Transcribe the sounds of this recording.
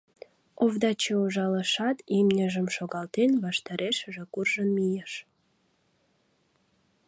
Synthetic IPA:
ovd̪ɑt͡ɕeuʒɑləʃɑt̪imnʲeʒə̆mʃoɣɑlt̪enβɑʃt̪ɑɾʔeʃəʒekurʒənmijəʃ

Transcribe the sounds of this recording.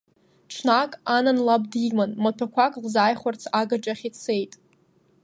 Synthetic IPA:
ʈ͡ʂʰnakʼananlab̚dimanmatʰakʷʰakʼlzaːjχʷart͡sʰaɡaʈ͡ʂʼaχʲit͡sʰejtʼ

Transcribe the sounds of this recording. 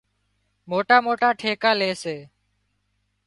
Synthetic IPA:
moːʈaːmoːʈaːʈʰeːkaːleːseː

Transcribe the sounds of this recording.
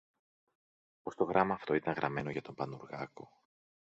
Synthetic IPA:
po̞st̪o̞ɣɾɐmɐːft̪o̞it̪ɐŋɣɾʔɐme̞no̞ʝɐt̪o̞mbɐnuɾɣɐko̞

